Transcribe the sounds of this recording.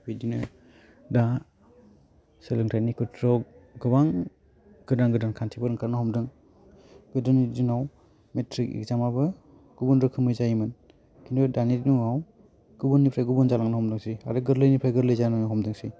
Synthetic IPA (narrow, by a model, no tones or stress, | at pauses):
bidinɯ | da | sɯlɯŋtʰajnikʰɯtʰɾɔɡɯbaŋ | ɡ̥ɯdaŋɡɯdankʰantʰibɯɾɯŋkʰaɾnɯhɔmdɯŋ | ɡ̥ɯdɯnidinaw | metʰɾik̚ḭk̚zamabɯ | ɡ̥ubɔnɾɯkʰɯmɯjzajimɯn | kʰinɯdanidnuŋaw | ɡ̥ubɔnːipʰɾajɡubunzalaŋnɯhɔmdɯŋsia̰ɾɯɡɯɾlɯjnipʰɾajɡɯɾlɯjzanɯŋnɯɦɔmdɯŋsij